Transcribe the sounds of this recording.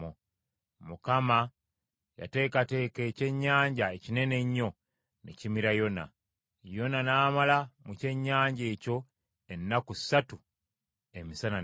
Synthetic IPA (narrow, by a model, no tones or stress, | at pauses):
o | mukama | ja̰te̞ːkate̞ːke̞ːce̞ɲːaːɲɟaecine̞ne̞ɲːo̞ | nḛcimiɾajo̞na̰ | jo̞nanaːmalamuce̞ɲːaːɲɟe̞ːco̞ | enːakusːatu | emisana